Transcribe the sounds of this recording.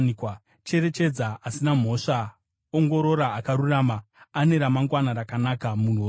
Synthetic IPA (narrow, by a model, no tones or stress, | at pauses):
nkwa | t͡ʃe̞ɾe̞t͡ʃe̞d͡zaasinam̤o̞ʂa | oŋɡo̞ɾo̞ɾaːkaɾuraːmaːne̞ɾamaŋɡwanaɾakanakamun̤o